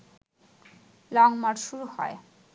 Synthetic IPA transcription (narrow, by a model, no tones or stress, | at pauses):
lɔŋmaɾʃuɾuhɔ̰e